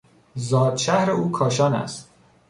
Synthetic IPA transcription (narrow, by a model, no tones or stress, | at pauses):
zɒːd̪ʃæhɾeuːkʰɒːʃɒːnæ̰st̪